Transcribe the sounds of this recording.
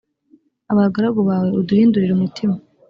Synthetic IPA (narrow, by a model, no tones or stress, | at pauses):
aβaɡaɾaɡoβaːwe̞uduhiːnduɾiɾumutʰima